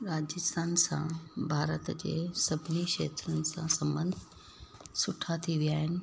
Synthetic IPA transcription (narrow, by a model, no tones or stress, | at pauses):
ɾaːd͡ʑɪst̪ʰaːnsã̰bʱaːɾət̪d͡ʑḛːsɐbʱɪniʃḛːt̪ɾənɪ̆sãsɐ̃mbə̃nd̪ʱ | sʊʈʰat̪ʰiʋijaːɦɪnɪ̆